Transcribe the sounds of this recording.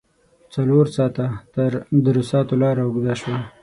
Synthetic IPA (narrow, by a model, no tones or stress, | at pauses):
t͡saloɾsɑt̪at̪əɾd̪əɾʊsɑt̪olɑɾaʊɡd̪aʃwa